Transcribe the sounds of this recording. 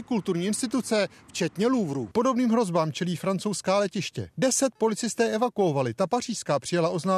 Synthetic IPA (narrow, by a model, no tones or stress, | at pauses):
ɪkult̪uɾɲiːɪnst̪ɪt̪ut͡sɛ | ft͡ʃɛt̪ɲɛluvɾṵːpo̞do̞bniːmɦɾo̞zbaːmt͡ʃɛliːfɾant͡so̞wskaːlɛcɪʃcɛ̰dɛsɛt̪̚po̞lɪt͡sɪst̪ɛːʔɛvakuo̞valɪt̪apar̝iːʃskaːpr̥ɪjalaʔo̞znaː